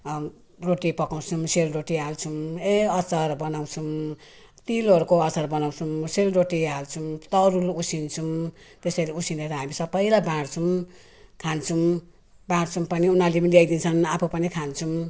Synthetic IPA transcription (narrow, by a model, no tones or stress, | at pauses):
roʈipʌkaw̃t͡sʰumselroʈiɦalt͡sʰumeʌsʌrbʌnaw̃t͡sʰum | t̪ilʌɾukoʌsʌrbʌnaw̃t͡sʰumselroʈiɦalt͡sʰumt̪ʌɾulusint͡sʰum | t̪esʌjleusineɾʌɦamisʌbʌjlabãɽt͡sʰum | kʰant͡sʰum | bãɽt͡sʰumpʌniunalemnlajd̪int͡sʰʌnapʰupʌnikʰant͡sʰum